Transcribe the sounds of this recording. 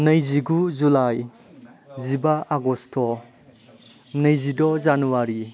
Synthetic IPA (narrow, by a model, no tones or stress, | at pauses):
nɐjziɡuzulaj | zibaʔaɡɔstʰɔ | nɐjzidɔzanuwaɾi